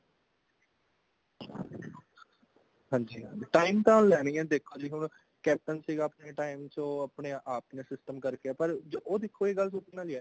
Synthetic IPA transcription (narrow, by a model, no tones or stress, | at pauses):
ɦãːɲd͡ʒiːʈaːimt̪ãːʊnlɛːɽ̃iːɛ̃ːd̪eːkʰːoːd͡ʒiːɦʊɳ | kɛːp̚ʈənsiːɡaːpneːʈaːɪmt͡ʃõːaːpɳeːʔaːpneːsɪsʈəmkəɾkeɛːpəɾd͡ʒoʔoːd̪ekʰːoːeːɡəlsupːnaːliɛː